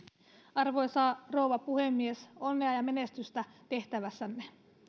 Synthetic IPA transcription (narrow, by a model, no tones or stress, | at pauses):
ɑrʋo̞jsɑːro̞uwʋɑpuhe̞mːieso̞nːeɑjɑmene̞st̪yst̪æt̪e̞ht̪æʋæsːænːe